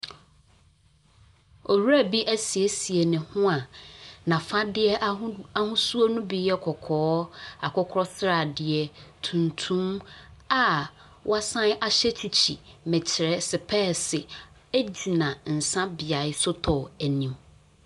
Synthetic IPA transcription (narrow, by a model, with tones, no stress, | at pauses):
o˨wu˦ɾæ˦˨bi˦ʔæ˦si˨e˦si˨ɛ˨nɪ̃˨hʊ̃˦a˨nã˨fã˦dɪ˦ɛ˦a˦hʊ̃˦su˦o˦nũ˦bi˨˦ɛ˦kʰɔ˨kʰɔː˨˦a˨kʰɔ˦kʰɾɔ˦sɾa˨dɪ˨ɛ˨tʰũ˨ntʰũ˦ma˨ | wɔ˦a˦sã˦n˦ʔa˨ɕɛ˦t͡ɕʰi˨t͡ɕʰḭ˨mɛ̃˨t͡ɕʰɪ˨ɾɛ˦sɪ˨pʰɛː˦sɪ˨ | æ˦d͡ʑi˨nã˨n̩˨sã˦bɪ˨a˨ɪ˦sʊ˦tʰɔ˨æ˨nĩ˨m